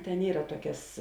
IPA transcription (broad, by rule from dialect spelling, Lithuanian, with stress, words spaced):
tʲɛn ˈiːrɐ ˈtuɔkʲɛs